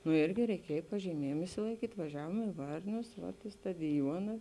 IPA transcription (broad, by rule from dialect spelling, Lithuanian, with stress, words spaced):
nʊ ˈiːrʲɡʲɪ rʲɛɪˈkʲiɛj pɐʒʲiːˈmʲiɛjeːm ɪʃʲsʲɪlˠɐɪˈkʲiːtʲ ʋɐˈʒʲæːʋuɔm ɪ ˈʋɐrʲnʲʊs ʋɐt ɪ stɐdʲɪˈjuɔnɐ